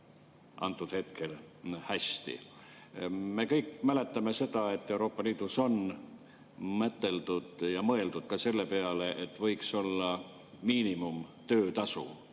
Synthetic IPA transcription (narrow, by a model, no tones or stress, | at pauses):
ʔɑ̰nt̪ːˑud̪̥he̞t̪ke̞lhæst̪ḭ | me̞kɤjkmæle̞t̪ːˑɑme̞se̞d̪ɑe̞t̪ːˑe̞uɾo̞ːpːˑɑliːd̪̥uso̞n | mæt̪ːˑe̞ld̪̥ud̪̥jɑmɤe̞ld̪ud̪̥̚kɑse̞lːe̞pe̞ɑle̞ʔet̪ːvɤjkso̞lːɑ | miːnimumt̪øːt̪ɑsṵ